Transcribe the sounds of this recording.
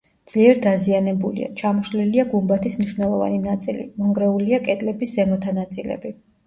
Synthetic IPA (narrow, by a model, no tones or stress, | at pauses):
d̪z̥liɛɾd̪azianɛbulḭa̰t͡ʃʰamɔʃliliaɡumbat̪ʰismniʃvnɛlˠɔva̰ninat̪sʼḭlḭmɔŋɡɾɛuliakʼɛt̪ʼlɛbiszɛmɔt̪ʰanat̪sʼilɛ̰bi